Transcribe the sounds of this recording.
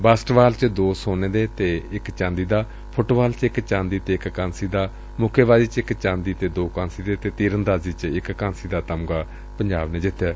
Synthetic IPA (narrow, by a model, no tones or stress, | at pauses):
baːsʈʋaːlt͡ʃd̪oːsoːneːd̪eːt̪eːɪkt͡ʃãːnd̪iːd̪aː | pʰʊʈʋaːlt͡ʃɪkt͡ʃãːnd̪iːt̪eːɪkkãːnsiːd̪aː | mʊkʰeːʋaːziːt͡ʃɪkt͡ʃãːnd̪iːt̪eːd̪oːkãːnsiːd̪eːt̪eːt̪iːɾənd̪aːziːt͡ʃɪkːãːnsiːd̪aːt̪əmɡaː | pəɲd͡ʒaːbneːd͡ʒɪt̪ʰːjɛː